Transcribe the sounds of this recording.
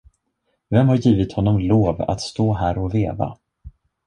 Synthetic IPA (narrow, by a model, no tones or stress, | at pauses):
vɛmhaɾjiːvɪt̪hɔnːɔmloːva̰t̪st̪oːɦæːɾɔveːva̰